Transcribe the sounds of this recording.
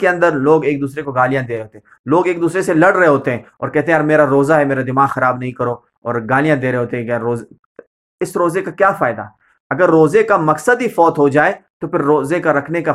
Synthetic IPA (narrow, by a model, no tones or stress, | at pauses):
keɐ̃nd̪əɾloːɡeːk̚d̪uːsɾekoɡaːlijãd̪eːɾeɦoːt̪eɦ | loːɡeːk̚d̪uːsɾeselɐɽɾɐɦeɦoːt̪eɦɛ̃ɔ̰ːɾkɛɦt̪eɦɛ̃aːɾmeːɾaɾoːzaɦɛmeːɾad̪ɪmaːxɐɾaːbnɐɦĩkɐɾo | ɔːɾɡaːlijãd̪eːɾeɦoːt̪eɦɛ̃kːɾoːz | ɪsɾoːzekakjaːfaːɪd̪a̰ | ɐɡəɾːoːzekamɐksəd̪ifɔːt̪ɦod͡ʒaːet̪opɪɾːoːzekaɾɐkʰneka